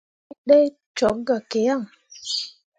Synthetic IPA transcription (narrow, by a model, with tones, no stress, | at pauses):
ɗɛ˦ | t͡ʃɔ˨˦ɡa˨ke˨ja˦˨ŋ